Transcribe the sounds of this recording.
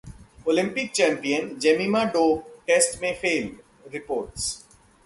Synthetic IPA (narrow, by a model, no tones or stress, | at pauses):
oːlɪ̃mpɪk̚t͡ʃæ̃ːmpiə̃nd͡ʒemimaɖoːʈesʈmẽːfeːl | ɾɪpoːɾʈs